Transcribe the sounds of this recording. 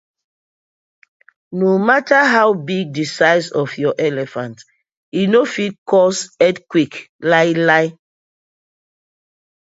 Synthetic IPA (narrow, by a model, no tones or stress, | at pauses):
nomataɦawbiɡ̚disaɪsɔfjɔʔɛlɛfãnt | inofitkʰɔsɛdkwik | laɪlaɪ